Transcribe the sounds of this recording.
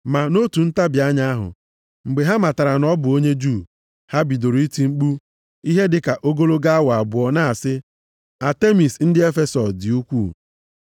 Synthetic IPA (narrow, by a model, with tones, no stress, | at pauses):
ma˨no˦tu˨n̩˦ta˦bja˦ɲa˦a˦ɦʊ̰˨ | ŋ͡m̩˨ɡ͡be˨ɦa˦ma˨ta˨ɾa˨nɔ˦bʊ˨o˦ɲe˦d͡ʒuː˦˨ | ha˦bi˨do˨ɾi˦ti˨ŋ͡m̩˦k͡pu˦ | i˦ɦe˦dɪ˦ka˨ʔo˦ɡo˦lo˦ɡa˦a˦wa˨bʊ˨ɔ˨na˦˨sɪ˦ | a˨te˦mi˨sn̩˦dɪ˦e˦fe˨sɔ˨sdɪ˨u˦kʷṵː˦˨